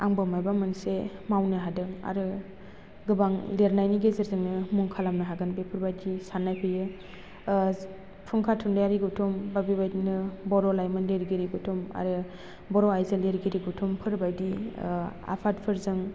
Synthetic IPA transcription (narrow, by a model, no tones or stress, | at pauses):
aŋbɯmajbamɯnsemawnɯɦadɯŋa̰ɾɯ | ɡɯbaŋleɾnajniɡezeɾzɯŋnɯmuŋkʰalamnɯɦaɡɯnbepʰɯɾbajdisanːajpʰɯjɯ | pʰuŋkʰatʰundajaɾiɡutʰumbabibajdnɯbɔɾɔlajmɯnleɾɡiɾiɡutʰuma̰ɾɯ | bɔɾɔajzɯleɾɡiɾiɡutʰumpʰɯɾbajdi | a̰pʰat̚pʰɯɾzɯŋ